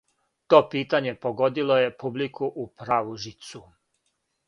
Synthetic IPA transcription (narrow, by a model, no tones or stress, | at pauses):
t̪o̞ːpiːt̪aɲe̞po̞ɡo̞d̪ilo̞je̞publikuʔupɾaːʋuʒit̪su